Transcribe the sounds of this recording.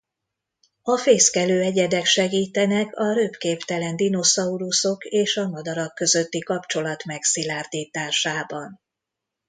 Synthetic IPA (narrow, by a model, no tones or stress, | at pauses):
ɒfeːskɛløːɛɟɛd̪ɛkʃɛɡiːt̪ɛnɛkɒɾøpkeːpt̪ɛlɛnd̪ino̞sɒuɾuso̞keːʃɒmɒd̪ɒɾɒkːø̞zø̞t̪ːikɒpt͡ʃo̞lɒt̪mɛksilaːrd̪iːt̪aːʃaːbɒn